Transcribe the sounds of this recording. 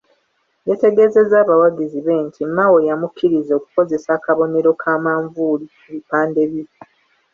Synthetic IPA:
jete̞ɡe̞ze̞zaːβawaɡiziβe̞ːntʰimːawojamukʰːiɾizoku̥ko̞ze̞saːkaβo̞ne̞ɾo̞kʰaːmaːɱvuːli | eβipaːnde̞βi

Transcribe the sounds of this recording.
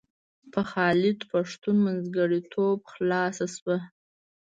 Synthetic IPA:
pʰəxɑːlɪd̪paʂt̪unmanzɡaɽit̪ʰobxlɑsaswa

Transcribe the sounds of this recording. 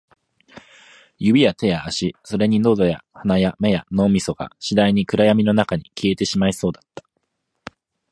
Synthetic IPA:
jɯ̟bʲijat̪e̞jaːɕiso̞ɾe̞ɲ̟ino̞ːzoja̰hanajame̞jano̞ːmʲiso̞ɡ̥a̰ɕid̪aiɲ̟ikɯ̟ɾajamʲino̞nakaɲ̟ikʲie̞t̪e̞ɕimaiso̞ːd̪at̪ːḁ

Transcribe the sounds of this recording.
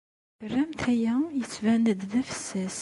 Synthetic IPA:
ərːæmt̪æjæjət͡sːvænəd̪ðæfə̥sːæs

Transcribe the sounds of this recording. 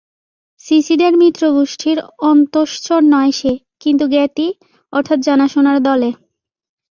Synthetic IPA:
sisid̪eɾmit̪ːɾoɡuʃʈʰiɾɔnt̪oʃt͡ɕoɾnɔeʃe | kint̪̬uɡɛʈi | ɔɾt̪ʰat̪d͡ʑanaʃonaɾd̪ɔle

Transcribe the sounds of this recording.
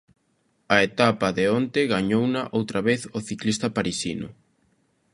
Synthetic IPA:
ɐet̪apaðeont̪eɣaɲownaʔowt̪ɾaβeθoθiklist̪ɐpaɾisinʊ̰

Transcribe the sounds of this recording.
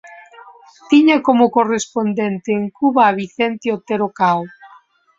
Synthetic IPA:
t̪iɲakomʊkorespond̪ent̪eːŋkuβaːβiθent̪eot̪eɾokaw

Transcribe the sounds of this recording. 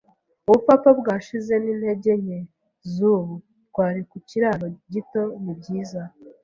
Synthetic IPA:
uβupapabɡaːʃize̞niːn̥he̞ɟe̞ɲe̞ | zuβu | ɡ̥waːɾikuciɾaːɾoɟito̞nib̚ɟiːza

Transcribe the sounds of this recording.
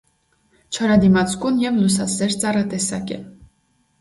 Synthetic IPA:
t͡ʃʰɑɾɑd̪imɑt͡sʰkunjɛvlus̬ɑsɛɾt͡sɑrət̪ɛsɑkɛ̰

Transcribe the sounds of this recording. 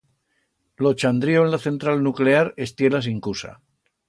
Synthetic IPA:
lot͡ʃand̪ɾioenlaθe̞nt̪ɾalnukleaɾe̞st̪je̞lasiŋkusa̰

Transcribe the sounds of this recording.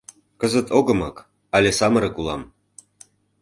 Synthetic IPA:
kəzə̆t̪oɣɤ̆mɤk | ɑlʲesɑmɤɾɤ̆kulˠɑ̰m

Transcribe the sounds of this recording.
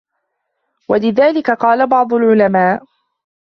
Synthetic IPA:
walɪðaːlɪkaqɑːlabɑʕd̪ˤʊlʕʊlamaːʔ

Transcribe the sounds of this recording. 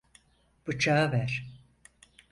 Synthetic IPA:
b̥ɯt͡ʃʰaːavæɾ̥

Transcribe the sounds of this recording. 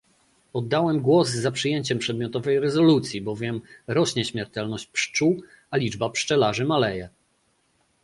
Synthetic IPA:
ɔd̪ːawɛmɡwɔzːapʂɘjeɲt͡ɕɛmpʂɛd̪̚mʲjɔt̪ɔvɛjɾɛzɔlut̪sʲjibɔvʲjɛmɾɔɕɲɛɕmʲjɛɾt̪ɛlnɔɕt͡ɕpʂt͡ʂu | alʲid͡ʐbapʂt͡ʂɛlaʐɘmalɛjɛ

